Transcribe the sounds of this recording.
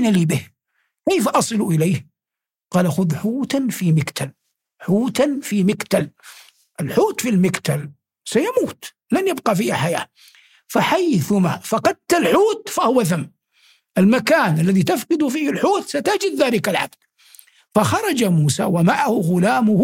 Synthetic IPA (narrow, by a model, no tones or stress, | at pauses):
naliːbɪh | kejfaʔɑsˤɨluʔɪleːh | qɑːlaxʊðħuːt̪anfimɪkt̪ʰal | ħuːt̪anfimɪkt̪al | ʔɪlħuːt̪filmɪkt̪al | sajamuːt̪ | lanjab̚qɑfiːhaħaja̰ː | faħajθʊmafɑqɑd̪̚t̪ːalħuːt̪fahʊwaθamː | ʔɪlmakaːnʔalːaðit̪afqɨd̪ʊfiːhɪlħuːt̪sat̪ad͡ʒɪd̪ðaːlɪkalʕa̰b̚d̪̥̚ | faxɑɾˤɑd͡ʒamuːsa̰wamaʕahʊɣʊlaːmʊh